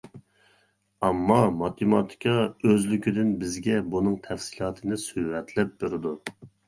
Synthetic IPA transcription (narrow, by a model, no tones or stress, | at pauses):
ɑmːɑmɑt̪ʰemɑt̪ʰi̥kʰɑøzlykʲʰid̪ɪnbɪzɡʲɛbunɨŋt̪ʰɛfsilˠɑːt̪ʰɨnɨsyhɾɛt̪ʰlɛp̚beɾɨd̪u